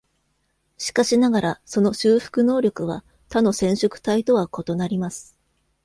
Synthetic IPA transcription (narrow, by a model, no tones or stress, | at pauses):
ɕi̥kaɕinaɡaɾaso̞no̞ɕɨːɸɯ̥kɯ̟no̞ːɾʲo̞kɯ̟βa̰ | t̪ano̞sẽ̞ɰ̃ɕokɯ̟̥t̪ait̪o̞βako̞t̪o̞naɾʲimasɨ̥